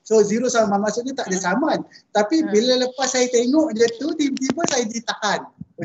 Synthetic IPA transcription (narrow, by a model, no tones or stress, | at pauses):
soziɾosaamanmasʊʔ̚ɲət̪aʔdəsamant̪apibilaləpasːajat̪eŋoʔɲət̪ut̪it̪ibəsajədit̪ahan